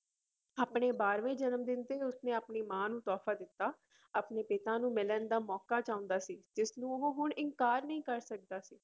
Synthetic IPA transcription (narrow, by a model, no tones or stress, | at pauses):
aːpɳeːbaːɾʋẽːd͡ʒənəmd̪ɪnt̪eːʊsnẽːəpniːmãːnũːt̪ɔːfʰaːd̪ɪt̪ːaː | apneːpɪt̪ãːnũːmɪlənd̪aːmɔːkaːt͡ʃaːʊ̃nd̪aːsiːd͡ʒɪsnũːɦoːɦʊɳɪŋkaːɾnəĩːkəɾsək̚d̪aːsiː